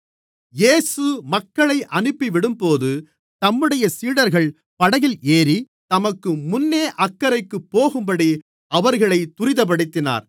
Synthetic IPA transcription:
jeːsɯmɐkːɐɭɐɪʔɐnɯpːiʋɪɽɯmpoːðɯ | t̪ɐmːɯɽɐjɐsiːɽɐɾɣɐɭ | pɐɽɐjɪleːɾi | t̪ɐmɐkːɯmʊnːeːʔɐkːɐɾɐɪkːɯpːoːɣɯmbɐɽi | ɐʋɐɾɣɐɭɐɪt̪ːʊɾɪðɐp̬ɐɽɯt̪ːɪna̰ːɾ

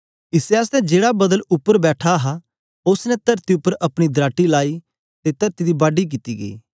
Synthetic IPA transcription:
ɪsɛəs̬t̪ɛ̃d͡ʒeːɽabɐd̪əlʊpːəɾbɛːʈʰaɦa | ʊsnɛ̃t̪ɐɾt̪iʊpːəɾʔɐpɽ̃id̪ɾaːʈilaːi | t̪et̪ɐɾt̪id̪ibaːɖik̬it̪iɡḛː

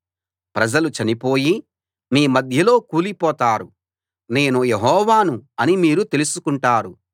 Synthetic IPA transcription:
pɾɐd͡ʒɐlut͡ʃɐnipo̞ːji | miːmɐd̪ʱjɐlo̞ːkuːlipɔːt̪aːɾu | ne̞ːnujeɦɔːʋaːnuɐnimiːɾut̪e̞lusukuɳʈaːɾu

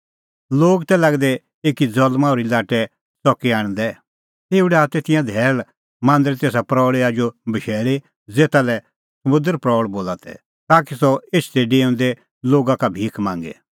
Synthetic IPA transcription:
loːɡt̪ɛlɐɡd̪ɛ | eːkid͡zɔlmaʊɾilaːʈɛ | sɔkiaːɽ̃d̪ɛ | t̪eːuɽɛaːt̪et̪ɪjãd̪ʱɛːɭ | mãːnd̪ɾet̪eːs̬apɾɔːɭeaːd͡ʒobɐʃeːɭe | d͡zeːt̪alɛ | sɐmʊ̃nd̪əɾpɾɔːɭboːlat̪ɛ̰ | t̪aːk̬isɔeːt͡ʃʰt̪ɛɖeːʊ̃nd̪ɛ | loːɡakabʱiːkmãːŋɡɛ̰

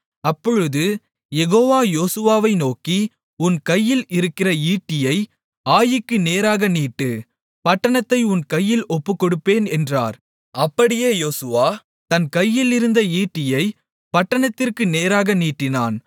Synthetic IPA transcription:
ɐpːɔɻɯðɯ | jɛɣoːʋaːjoːsɯʋaːʋɐɪnoːki | ʊnkɐjːɪlɪɾɯkːɪrɐiːʈːɪjɐɪ | aːjɪkːɯneːɾaːɣɐniːʈːɯ | pɐʈːɐɳɐt̪ːɐɪʊnkɐjːɪlɔpːɯkːɔɽɯpːeːnɛndra̰ːɾ | ɐpːɐɽɪjeːjoːsɯʋaː | t̪ɐnkɐjːɪlɪɾɯnd̪ɐiːʈːɪjɐɪ | pɐʈːɐɳɐt̪ːɪrkɯneːɾaːɣɐniːʈːɪna̰ːn

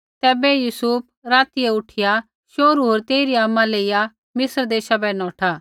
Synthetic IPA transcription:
t̪ɛːbɛjuːsup̚ʰɾaːt̪iɛʊʈʰɪja | ʃoːɾuɦoːɾt̪eːiɾiamːãleːɪja | mɪsəɾd̪eːʃabɛnɔːʈʰa

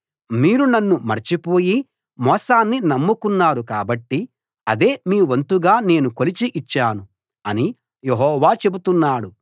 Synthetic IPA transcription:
miːɾunɐnːumɐɾt͡ʃipo̞ːji | mɔːsaːnːinɐmːukunːaːɾukaːbɐʈːi | ɐd̪e̞ːmiːʋɐnt̪uɡaːne̞ːnukolit͡ʃiʔit͡ʃːaːnu | ɐni | jeɦɔːʋaːt͡ʃe̞but̪unːaːɽu

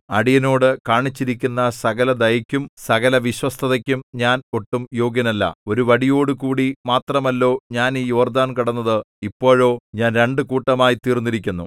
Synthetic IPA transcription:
ɐɽijɐno̞ːɽɨkaːɳit͡ɕːiɾikʲːunːɐsɐɡɐlɐd̪ɐjɐkʲːumsɐɣɐlɐʋiɕwɐst̪ʰɐðɐkʲːumɲaːno̞ʈːumjo̞ːɡjɐnɐlːɐ̰o̞ɾuʋɐɽijo̞ːɽɨkuːɽimaːt̪rɐmɐlːo̞ːɲaːniːjo̞ːrd̪aːnkɐɽɐnːɐðɨ | ipːo̞ːɻo̞ːɲaːnɾe̞ɳɖɨkuːʈːɐmaːjit̪iːrnːiɾikʲːunːṵ

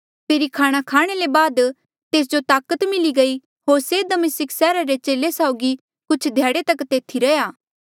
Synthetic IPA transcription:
pʰeːɾikʰaːɽ̃akʰaːɽ̃elebaːd̪ | t̪eːs̬d͡ʒot̪aːkət̪mɪliɡɐi | ɦoːɾsed̪ɐmɪsɪksɛːɾaɾet͡ʃeːlesaʊɡi | kʊt͡ʃʰd̪ʱjaːɽet̪ɐkt̪eːt̪ʰiɾɐjaː

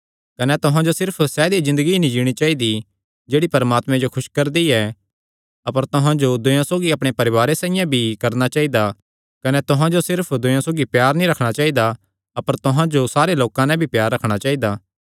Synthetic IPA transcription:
kɐnɛt̪ʊɦãd͡ʒosɪɾpʰsɛːd̪izɪ̃nd̪əɡinĩd͡ʒiːɽ̃it͡ʃaːid̪i | d͡ʒeːɽipɐɾmaːt̪mɛ̃d͡ʒokʰʊʃkɐɾd̪iɛ | ɐpəɾt̪ʊɦãd͡ʒod̪ʊjãsoːɡiɐpɽ̃epɐɾɪʋaːɾesãːɪjãbʱikɐɾnat͡ʃaːid̪a | kɐnɛt̪ʊɦãd͡ʒosɪɾpʰd̪ʊjãsoːɡipjaːɾnĩɾɐkʰɽ̃at͡ʃaːid̪a | ɐpəɾt̪ʊɦãd͡ʒosaːɾeloːkãnɛ̃bʱipjaːɾːɐkʰɽ̃at͡ʃaːid̪aː

